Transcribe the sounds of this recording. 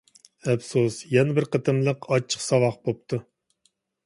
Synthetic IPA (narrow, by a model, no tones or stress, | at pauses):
ɛpsosjɛnɪbɪɾqʰət̪ʰɨmlˠəqʰɑt͡ʃʰːə̥qsɑvɑχbop̚t̪ʰu